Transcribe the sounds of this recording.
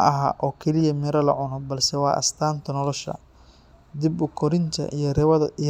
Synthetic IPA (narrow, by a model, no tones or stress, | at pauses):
ɐɦa̰ːʔɔːkʰɛlɪjɐmɪɾɐlɐ̰ʕʊnɔbɐlsɛwɑːʔɐ̰st̪ʰaːnt̪ʰɐnɔlɔʃɐ̰ | d̪ibʊkʰɔɾɪnt̪ʰɐ̰ʔijɔrɐðɐ